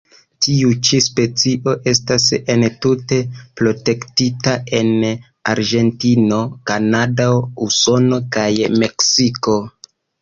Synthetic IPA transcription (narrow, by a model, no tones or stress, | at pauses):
tiut͡ʃispe̞t͡siʔo̞ʔe̞stase̞ntute̞pɾo̞te̞ktitae̞n | aɾʒe̞ntino̞kanadauso̞no̞kajme̞ksiko̞